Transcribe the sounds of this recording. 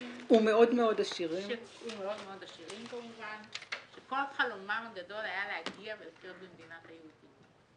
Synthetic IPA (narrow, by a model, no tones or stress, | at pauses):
ume̞o̞dmeo̞daʃiʁimumeo̞dmeo̞daʃiʁimkolmovanʃeko̞laχalomamaɡado̞lajaleaɡiavelokeʁtbemd̪inatajeudit